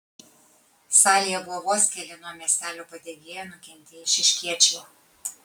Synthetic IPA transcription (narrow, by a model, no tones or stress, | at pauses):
sɑːlʲɪjɛbuɔʋoːsʲkʲɛlʲɪnomʲeːsʲt̪ʲæːlʲoːpɐd̪ʲeɡ̪ʲeːjɛnʊkʲɛnʲt̪ʲeɪʃʲɪʃʲkʲiɛt͡ʃʲɛj